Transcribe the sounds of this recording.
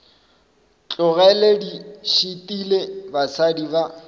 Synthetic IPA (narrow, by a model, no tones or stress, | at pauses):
t͡ɬʼʊɣɛlediʃitʼilebasadiba